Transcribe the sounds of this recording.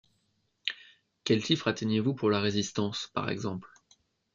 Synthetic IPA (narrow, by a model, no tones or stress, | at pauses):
kʲɛltifχat̪enjevupuʁlaʁezist̪ɑ̃spa̰ʁɛ̰ɡzɑ̃pl